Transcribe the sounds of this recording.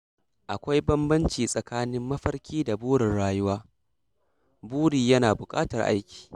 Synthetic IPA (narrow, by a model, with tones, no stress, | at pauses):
ʔa˨kʷa˦jbɐ˦mbɐ˦nt͡ʃiː˨sʼɐ˨kaː˦nɪ˦mːɐ˦ɸɐ˦rkʲiː˦da˨buː˦ɽɪ˨rɽaː˦jʊ˦waː˦ | buː˦ɽiː˨jɐ˦naː˨bʊ˨kʼa̰ː˦tɐ˨rʔa̰˦jkʲi̥ː˨